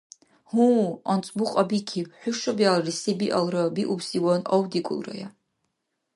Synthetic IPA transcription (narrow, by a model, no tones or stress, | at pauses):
hũɔnt͡sʼbuqʼɔbikʰiwħʷᶣuʃɔbialˠrisibiʔɔlˠɾɔbiʔubsiwɔnɔwd̪ikʼṵlˠrɔ̰ja